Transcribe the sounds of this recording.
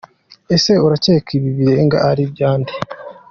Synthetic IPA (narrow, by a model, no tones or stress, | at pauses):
e̞se̞uɾace̞ːkʰiβiβiɾe̞ŋɡa̰ʔːɾibjaːnde